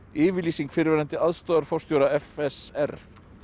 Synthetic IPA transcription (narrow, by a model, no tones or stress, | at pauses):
ɪːvɪliːsiŋkfɪɾvɛːɾant̪ɪaðst̪ɔːðaɾ̥fɔrst̪jowɾaɛfɛsɛr